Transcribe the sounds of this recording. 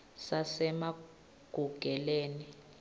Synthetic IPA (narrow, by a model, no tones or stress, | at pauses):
sasɛma | ɡ̥ʱuɡ̥ʱɛleːni